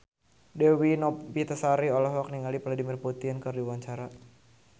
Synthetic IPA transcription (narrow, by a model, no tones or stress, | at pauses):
dɛwinɔpbit̪əsaɾiɔlaɦwak̚niŋalipladimirput̪inkɨrdiwaɲt͡ʃaɾa